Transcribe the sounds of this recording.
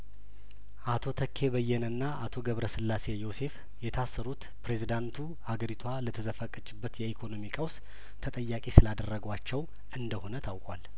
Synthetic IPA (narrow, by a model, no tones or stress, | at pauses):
ʔat̪ʰo̞t̪ʰəkʰːe̞βəjːɛnɨnːaʔat̪ʰo̞ɡəβɾəsɨlːase̞jo̞se̞f | jɛt̪ʰasːəɾut̪ | pɾe̞zid̪ant̪ʰu | haɡəɾit̪ʰwalət̪ʰəzəfəkʼːɨt͡ʃʼːɪbːət̪jɛikʰono̞mikʼəws | t̪ʰət̪ʼəjːakʼisɨlad̪ərːəɡwat͡ʃːɛw | ʔɨnd̪əho̞nət̪ʰawkʼwa̰l